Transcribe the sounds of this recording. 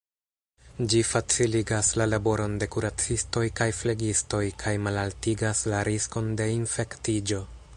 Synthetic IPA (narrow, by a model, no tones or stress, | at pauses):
d͡ʒifat͡siliɡaslalabo̞ɾo̞nde̞kuɾat͡sisto̞jkajfleɡisto̞jkʰajmalaltiɡaslaɾisko̞nde̞infe̞ktid͡ʒo̞